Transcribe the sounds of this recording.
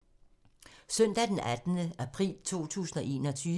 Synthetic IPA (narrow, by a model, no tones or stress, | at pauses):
sœn̰d̥æd̥enʔæd̥nəʔæpʰʁḭːlt͡sʰo̝̰ːt͡sʰṵːsn̩ɒ̽ʔe̝̰ːnɒ̽t͡sʰyː